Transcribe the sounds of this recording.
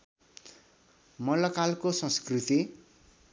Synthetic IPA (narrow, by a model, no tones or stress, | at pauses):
mʌlʌkalkosʌ̃skrit̪i